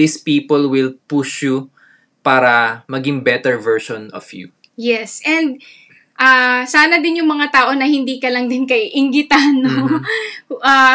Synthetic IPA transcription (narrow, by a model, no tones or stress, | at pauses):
ispiːpolwɪlpuʃjʊ | paːɾɐmɐɡɪŋbɛt̪ɛɹvɛɹʃɔnɔ̰fjṵ | jɛsʔɛnd̪̚ | ʔasaːnɐd̪ɪnjʊŋmɐŋat̪aːʔo̞nɐhɪnd̪iːkɐlɐŋd̪ɪnkɐjʔɪŋɡɪt̪ano | ʔa